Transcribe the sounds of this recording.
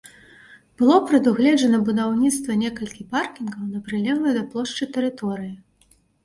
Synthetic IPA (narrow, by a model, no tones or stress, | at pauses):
b̥ɨlˠɔpɾɐd̪uɣlʲɛd͡ʒɐnɐbud̪awnʲit̪st̪vɐnʲɛkɐlʲkʲiparkʲinɡɐwnɐpɾɨlʲɛɣˠɐjd̪ɐplˠɔʂt͡ʂɨt̪ɛɾɨt̪ɔɾɨji